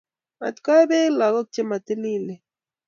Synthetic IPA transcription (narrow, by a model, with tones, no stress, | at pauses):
a̰˨t̪ka˦be˦la˨ɣo˦k̚t͡ʃe˦ma˨t̪e˦li˦le˨